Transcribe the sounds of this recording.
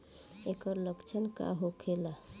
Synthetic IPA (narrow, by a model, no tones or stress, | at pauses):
ekəɾləkt͡ʃʰənka̰ɦokʰela